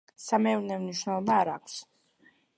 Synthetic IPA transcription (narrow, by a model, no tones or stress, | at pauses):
samɛuɾnɛmniʃwnɛlˠɔbaːɾaːkʷʰs